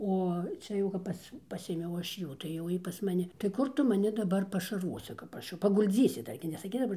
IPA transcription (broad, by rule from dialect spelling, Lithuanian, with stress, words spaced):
ˈoː ˈt͡ʃʲɛ jɛʊ kɐp ˈpɐs ˈpɑːsʲeːmʲɛʊ ˈɐʃ ˈjuː tɐɪ jɛʊ ˈjiː pɐs mɐˈnʲɪ tɐɪ ˈkʊr ˈtʊ mɐˈnʲɪ dɐˈbɐr pɐʃɐrˈʋoːsʲɪ kɐp ˈɐʃ jɛʊ pɐɡʊlʲˈd͡zʲiːsʲɪ ˈdɐr ɡʲɪ nʲɛsɐˈkʲɪs dɐˈbɐr